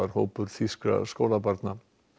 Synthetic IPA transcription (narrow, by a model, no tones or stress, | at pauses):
aɾ̥hoːwpʏɾ̥θiska̰skowlapaɾt̪na